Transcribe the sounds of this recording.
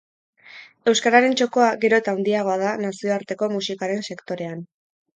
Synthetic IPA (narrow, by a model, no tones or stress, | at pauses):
e̞wskaɾaɾe̞nt͡ʃo̞ko̞aɡe̞ɾo̞et̪awnd̪iaɣ̞o̞að̞anasio̞aɾt̪e̞ko̞musikaɾe̞nse̞kt̪o̞ɾe̞an